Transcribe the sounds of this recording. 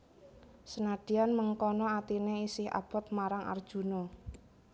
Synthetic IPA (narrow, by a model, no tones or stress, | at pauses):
sənaɖ̥i̤anməŋkɔnɔat̪ineisɪha̰b̥ɔt̪̚maɾaŋʔa̰rd̥ʒ̥ṳnɔ